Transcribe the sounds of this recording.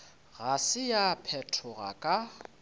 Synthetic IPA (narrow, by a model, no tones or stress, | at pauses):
ɣasɪjapʰɛtʰɔɣa̰kʼa